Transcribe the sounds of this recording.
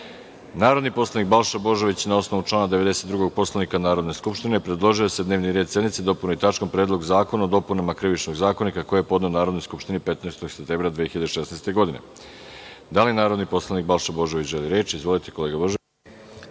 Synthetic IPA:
naːɾod̪nipo̞slˠanik̚balˠʃabo̞ʒe̞ʋit͡ɕnao̞sno̞ʋut͡ʃlˠaːnad̪eʋe̞d̪e̞se̞t̪d̪ɾuɡo̞ɡ̚po̞slˠanikanaːɾo̞d̪ne̞skupʃt̪inepɾed̪lˠo̞ʒiose̞d̪ne̞ːʋniɾed̪se̞d̪nit̪sed̪o̞punoit̪at͡ʃkompɾeːd̪lˠo̞ɡzaːko̞naod̪o̞punamakɾiʋit͡ʃnoɡzaːkonikako̞jeepo̞d̪neonaːɾo̞d̪nojskupʃt̪inipe̞t̪naest̪oɡ̥sept̪eːmbɾad̪ʋiːexiʎad̪eʃesnast̪e̞ɡo̞d̪ine̞̰ | d̪alinaːɾod̪nipo̞slˠanik̚balˠʃabo̞ʒe̞ʋit͡ɕʒeliɾeːt͡ʃiizʋo̞lit̪eko̞leɡabo̞ʒe

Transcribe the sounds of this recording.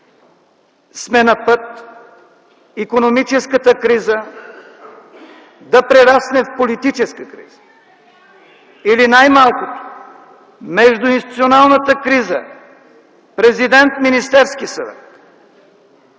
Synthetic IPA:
smɛnɐpət̪ | ikonomit͡ʃɛskət̪əkɾizə | d̪ɐpɾɛɾasnɛfpolit̪it͡ʃɛskəkɾḭz̥ə̥ | ilinajmalˠkot̪o̥ | mɛʒd̪ʊinst̪it̪sionalˠnət̪əkɾizə̰ | pɾɛzid̪ɛnt̪minist̪ɛɾskisɐvɛ̰t̪

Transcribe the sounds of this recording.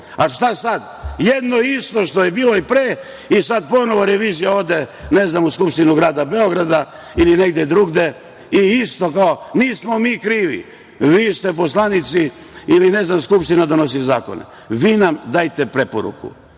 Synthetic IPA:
aʃt̪asad̪ | jed̪no̞ist̪o̞ʃt̪o̞jebiːloipɾeː | isad̪̚po̞noʋoɾeʋiːzijaod̪ene̞znamuskupʃt̪inuɡɾaːd̪abe̞oɡɾad̪a | ilineɡd̪jed̪ɾuːɡd̪e̞ | iist̪o̞kaoniːsmo̞miːkɾiːʋḭ | ʋiːst̪epo̞slˠanit̪si | iline̞znamskupʃt̪inad̪ono̞sizaːko̰nḛ | ʋiːnamd̪aːjt̪e̞pɾe̞po̰ɾṵkṵ

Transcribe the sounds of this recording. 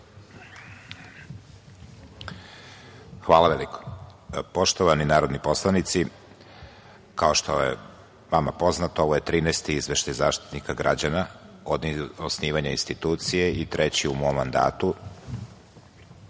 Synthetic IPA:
xʋaːlˠaʋeliko̥po̞ʃt̪oʋaninaːɾod̪nipo̞slˠanit̪si | kao̞ʃt̪o̞je | mamapo̞znat̪oo̞ʋo̞je̞t̪ɾiːnɛst̪iizʋeʃt̪ajzaːʃt̪i̥t̪nikaɡɾʔa̰d͡ʑanaod̪osniːʋaɲainst̪it̪uːt̪sijeit̪ɾet͡ɕiumomːand̪a̰ːt̪u

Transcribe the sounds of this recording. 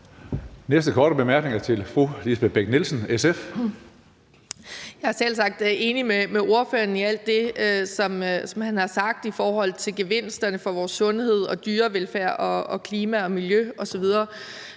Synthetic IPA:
nesd̥əkʰɒːɾ̥əb̥e̝mæɐɡ̥ne̝ŋɐt͡sʰe̝lfʁulisb̥eb̥eɡ̥nelsn̩esef | jɑ̈æɐsel̰sɑ̈ɡ̥̚d̥e̝ːnimemeo̝ɐføːɐniæl̰d̥ːe̝sɒ̽msɒ̽mhænhɑ̈sɑ̈ɡ̥̚d̥ifɒːɦɒ̽l̰t͡sʰe̝lɡ̥e̝ʋe̝n̰sd̥ɐnəfɒ̽ʋɒːsːɔ̽nhe̝ð̞̰ˠɒ̽d̥yːɐʋelfæɐ̰ʔɒ̽ɒ̽kʰliːmæɒ̽miljøɒ̽sɒ̽ʋið̞ˠɐː

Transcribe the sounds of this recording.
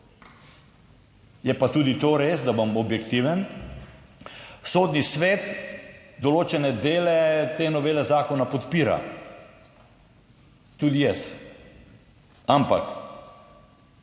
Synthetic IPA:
jɛpat̪uːd̪it̪oɾeːsd̪abɔmɔbjɛkt̪iʋɛn | soːd̪nisʋɛt̪d̪ɔloːt͡ʃɛnɛd̪eːlɛt̪eːnɔʋeːlɛzaːkɔnapɔt̪piːɾa̰ | t̪ud̪ijɛs | ampa̰k

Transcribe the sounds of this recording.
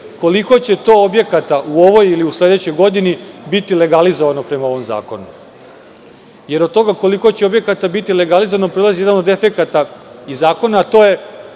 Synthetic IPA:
ko̞liko̞t͡ɕe̞t̪o̞ːobje̞kat̪aʔuo̞ʋo̞jiliusle̞d̪e̞t͡ɕo̞jɡo̞d̪inibit̪ile̞ɡalizoʋano̞pɾe̞mao̞ʋo̞mza̰ːko̞nu | je̞ɾo̞d̪̚t̪o̞ɡako̞liko̞t͡ɕeo̞bje̞kat̪abit̪ile̞ɡalizoʋanopɾolˠazije̞d̪ano̞d̪e̞fe̞kat̪aizaːko̞nat̪o̞ːje̞

